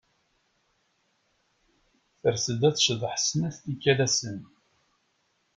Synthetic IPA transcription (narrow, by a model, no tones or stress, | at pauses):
θəɾsəd̪æt͡sʃəðˤħsnæθt̪ikːælæsən